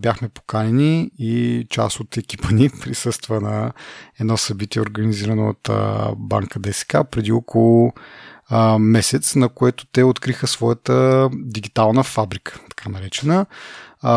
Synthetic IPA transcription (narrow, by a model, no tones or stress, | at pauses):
bʲjaxmɛpo̥kanɛniit͡ʃa̰sot̪ɛkʲi̥pənipɾisɤst̪vənɐɛd̪nɔsɐbit̪iɛoɾɡəniziɾəno̰ːt̪ba̰ŋkəd̪ɛsɛ̥ka̰pɾɛd̪iɔkʰolˠʊ | mɛsɛt̪snɐkoɛt̪ʊ̥t̪ɛot̪kɾixəsvɔjət̪əd̪iɡit̪alˠnəfabɾikʰə̥t̪ɐ̥kʰanɐɾɛt͡ʃɛnə